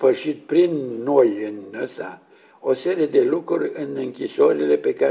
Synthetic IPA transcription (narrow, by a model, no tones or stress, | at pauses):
pəʃit̪̚pɾinːo̞jɨnəsa̰ | o̞se̞ɾie̞d̪e̞lukɾurʲɨnɨŋkʲisoɾile̞pe̞ka